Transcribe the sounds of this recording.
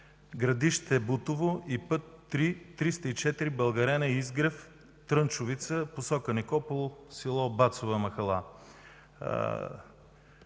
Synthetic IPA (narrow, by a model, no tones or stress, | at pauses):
ɡɾɐd̪iʃt̪ɛbut̪ʊvoipɤt̪ːɾit̪ɾist̪əit͡ʃɛt̪iɾibɐlˠɡɐɾɛnɐizɡɾəf | t̪ɾənt͡ʃʊvit̪səposɔkənɛkɔpolˠʊsilˠɔbat̪sovəmɐxɐlˠa̰